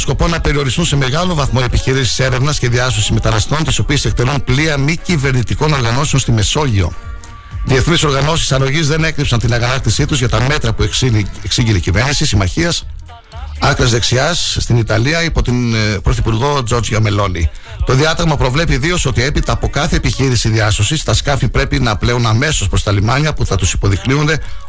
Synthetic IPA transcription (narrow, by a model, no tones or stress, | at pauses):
osko̞po̞nɐpe̞ɾio̞ɾist̪unse̞me̞ɣɐlo̞vɐθmoe̞piçiɾisi̥se̞ɾe̞vnɐsce̞ðiɐsosi̥zme̞t̪ɐnɐst̪o̞nt̪iso̞piese̞k̚t̪e̞lunpliɐmicive̞ɾnit̪iko̞no̞ɾɣɐno̞seo̞nst̪ime̞so̞ʝio̞̰ | ðie̞θniso̞ɾɣɐno̞sisɐɾo̞ʝizðe̞ne̞kɾipsɐnt̪inɐɣɐnɐkt̪isit̪uzʝɐt̪ɐme̞t̪ɾɐpueksiʝinicive̞ɾnisisimɐçiɐs | ɐkɾɐzðe̞ksiɐsːt̪init̪ɐliɐipot̪inpɾo̞θipuɾɣo̞d͡zo̞ɾd͡ʒʝɐme̞lo̞ni | t̪o̞ðiɐt̪ɐɣmɐpɾo̞vle̞piðio̞so̞t̪ie̞pit̪ɐːpo̞kɐθe̞ːpiçiɾisiðiɐso̞sist̪ɐskɐfipɾe̞pinɐple̞unɐme̞so̞spɾo̞st̪ɐlimɐɲɐpuθɐt̪usi̥po̞ðikniund̪e̞